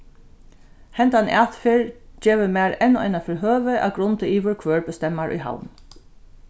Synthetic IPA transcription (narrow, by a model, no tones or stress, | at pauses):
hɛnt̪anʔa̰ːt̪fɪɹd͡ʒeːʋəmæːɾɛnɔ̰ɪnafɪɹɦøːʋəʔa̰ɡɾʊnt̪əiːʋəɹkʰʋøːɹbəst̪ɛmːaɹʔʊ̰jɦa̰wn